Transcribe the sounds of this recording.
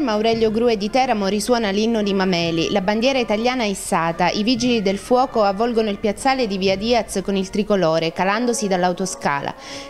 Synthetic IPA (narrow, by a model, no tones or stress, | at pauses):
maawɾɛʎːjoɡɾuːed̪it̪ɛːɾamoɾiswɔːnalinːod̪imamɛːlḭlaband̪jɛːɾait̪aljaːnaɛɛsːaːt̪aʔivid͡ʒilid̪elfwɔːkoavːɔlɡonoilpjat̪sːaːled̪iviad̪iːat̪skonilt̪ɾikoloːɾekaland̪osid̪alːawt̪oska̰ːla̰